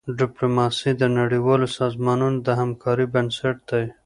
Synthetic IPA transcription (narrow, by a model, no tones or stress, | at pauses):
ɖɪplomɑsid̪ənaɽiwɑlosɑzmɑnunod̪əɦamkʰɑɾibənsaʈ̚d̪a